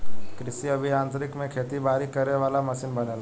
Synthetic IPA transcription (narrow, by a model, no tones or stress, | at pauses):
kɾɪsiɐbʱiãːnt̪əɾɪkmẽkʰeːt̪ibaːɾikɐɾneʋaːlamɐsɪnbɐnela